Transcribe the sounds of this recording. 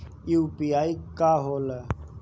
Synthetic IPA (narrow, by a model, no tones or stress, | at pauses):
jupiaːikaɦolə